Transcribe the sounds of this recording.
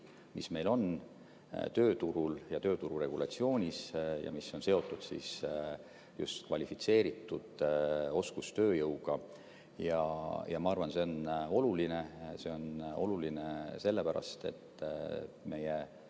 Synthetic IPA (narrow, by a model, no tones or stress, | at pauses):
misme̞jlo̞n | t̪øːt̪uɾuljɑt̪ø̞ːt̪uɾuɾe̞ɡ̥ulɑt̪sio̞ːnʲisjɑ̰misːo̞nse̞o̞t̪ːˑud̪̥sḭs | just̪kvɑlʲifit̪se̞ːɾit̪ːˑud̪̥o̞skust̪ø̞ːjɤwɡ̥ɑ | jɑjɑmɑɑrvɑnse̞o̞no̞luline̞se̞o̞no̞lulinese̞lːepæɾɑ̰st̪e̞̰t̪ː | me̞je